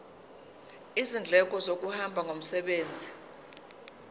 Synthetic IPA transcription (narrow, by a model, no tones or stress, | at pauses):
izind͡ɮʱɛk̬ʼɔzok̬ʼuhambʱaŋom̩sɛɓeːnd͡zʱi